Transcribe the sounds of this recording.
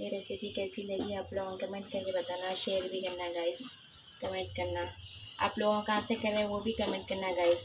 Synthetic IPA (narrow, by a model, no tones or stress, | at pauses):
meːɾesɪbʱikɛːsilɐɡiaːploːɡõkɐmẽɳʈ̚kɐɾkebɐt̪aːnaʃeːəɾbʱikɐɾnaɡaːɪs | kɐmẽɳʈ̚kɐɾnaa̰ːploːɡõkɐɦãsekɐɾẽʋobʱikɐmẽɳʈkɐɾnaɡaːɪs